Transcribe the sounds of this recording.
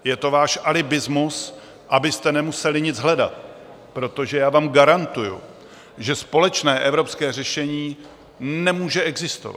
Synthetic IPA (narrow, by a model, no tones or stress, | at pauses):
jɛt̪o̞vaːʃʔalɪbɪzmus | ʔabɪst̪ɛnɛmusɛlɪɲɪd͡zɦlɛda̰t̪̚ | pɾo̞t̪o̞ʒɛjaːvaːmɡaɾant̪ujṵ | ʒɛspo̞lɛt͡ʃnɛːʔɛvɾo̞pskɛːrɛʃɛɲiː | nɛmuːʒɛɛɡzɪst̪o̰va̰